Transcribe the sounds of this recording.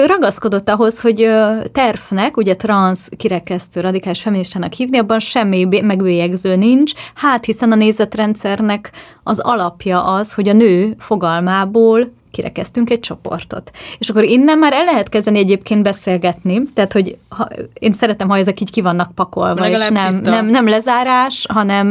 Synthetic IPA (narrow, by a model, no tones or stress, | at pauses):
ɾɒɡɒsko̞d̪o̞t̪ːɒɦo̞sho̞ɟøt̪ɛrfnɛkuɟɛt̪rɒnskiɾɛkɛst̪øːɾɒd̪ikaːliʃfɛminiʃt̪aːnɒkhiːvniɒbːɒnʃɛmːimɛɡʋeːjɛɡzøːnint͡ʃhaːt̪hisɛnɒneːzɛt̪rɛnt̪sɛrnɛk | ɒzɒ̰lɒpjɒʔɒsho̞ɟɒnøːfo̞ɡɒlmaːboːl | kiɾɛ̰kɛst̪yŋkɛc̚t͡ʃo̞po̞̰rt̪o̞̰t̪eːʃɒkːo̞ɾinːɛmːaːɾɛlːɛɦɛt̪kɛzd̪ɛniɛɟeːpkeːnd̪bɛseːlɡɛt̪nit̪ɛɦːt̪ho̞ɟhɒ̰eːnsɛɾɛt̪ɛmhɒɛzɛkiːckivɒnːɒk̚pɒkolvɒeːʃnɛmnɛmnɛmlɛzaːɾaːʃɦɒnɛm